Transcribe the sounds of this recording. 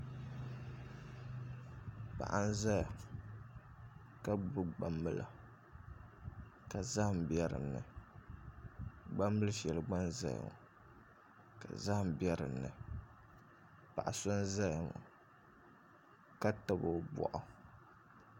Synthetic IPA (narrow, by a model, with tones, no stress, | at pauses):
pa̰˨ʔa˦n̩˦za˦ja˨ | ka˦bɨ˦ɡ͡ba˦mːɨ˦la̰˨ | ka˨za˦hm˨bjɛ˦ɾɨ̰˨nːɨ̰˨ | ɡ͡ba˦mbɨ˦lɨ˦ʃɛ˨lɨ˨ɡ͡ba˦nza̰˦ja̰˨ŋ˨ | ka̰˨za˦hm̩˨bjɛ˦ɾɨ̰˨nːɨ˨ | pa˨ʔa˨so˦n˦za˦ja˨ŋɔ̰˨ | ka˦ta˦bo˨bɔ̰˨ʔɔ˨